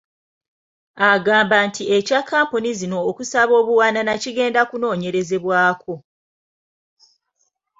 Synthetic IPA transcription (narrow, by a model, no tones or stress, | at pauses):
aɡaːmbantʰie̞cakʰːaːmpunizino̞ːkusaβo̞ːβuwaːnanaciɡe̞ːndakuno̞ːɲe̞ɾe̞ze̞βwaːkʰo̞